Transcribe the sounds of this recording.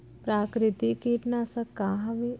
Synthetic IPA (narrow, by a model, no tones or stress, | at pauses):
pɾaːkɾɪt̪ikiʈnasɐkːaːɦɐʋi